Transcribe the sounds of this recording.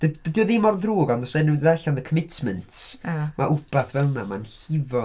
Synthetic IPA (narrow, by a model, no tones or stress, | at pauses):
d̥əd̥ədjɔðimɔrðruːɡɔnɔsenədəðarɬanðəkʰəmɪtʰmɛntʰmʔaʔʊb̥aθvɛlˠnamanɬɪvɔ